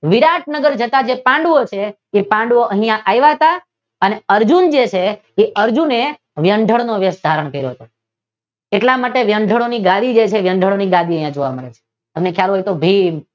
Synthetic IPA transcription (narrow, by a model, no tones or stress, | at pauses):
ʋiɾaʈ̚nəɡəɾd͡ʒət̪ad͡ʒepãɳɖʋot͡ʃʰeː | pãɳɖʋoʔəɦijãʔajʋaɦət̪a | əneəɾd͡ʒund͡ʒet͡ʃʰeː | ʔəɾd͡ʒune | ʋjəɳɖʱəɭnoʋjəsd̪ʱaɾəɳkəɾjo̰ɦət̪o | eʈlamaʈeʋjəɳɖʱəɭoniɡad̪id͡ʒet͡ʃʰeʋjəɳɖʱəɭoniɡad̪iəɦjãd͡ʒoʋa̰məɭet͡ʃʰe̥ | əmnekʰjaɾoɦojt̪obʱim